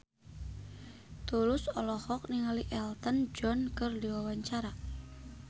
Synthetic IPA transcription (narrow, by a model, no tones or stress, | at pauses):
t̪ulʊsɔlɔhɔk̚niŋaliʔɛlt̪ənd͡ʒɔnkɨrdiwawaɲt͡ʃaɾa